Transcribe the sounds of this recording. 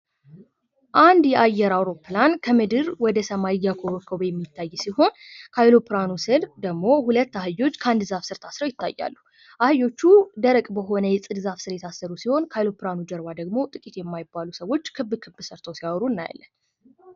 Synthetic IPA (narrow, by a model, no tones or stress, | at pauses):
ʔand̪jɛʔajːɛɾawɾo̞pːlankʰəmɨd̪ɨɾwɔd̪əsəmajjːakʰoβkʰːobjɛmːit̪ʰːajːsiho̞nkʰəajlo̞pʰɾanusɨld̪əɡmo̞hulət̪ːaɦɨjo̞t͡ʃːkʰand̪ɨzafsɨɾt̪ʰasɾəwjɪt̪ːa̰jːa̰lːu | ʔahɨjo̞t͡ʃːud̪əɾəkʼbəɦo̞nəjɛsʼɨd̪ɨzafsɨɾjɛt̪ʰasːəɾusiho̞nkʰajlo̞pɾanud͡ʒəɾbad̪əɡmo̞t̪ʼɨkʼit̪jɛmːajɪbalusəwo̞t͡ʃːkʰɨbːɨkʰɨbːsəɾt̪ʰəwsiawɾunːaja̰lːən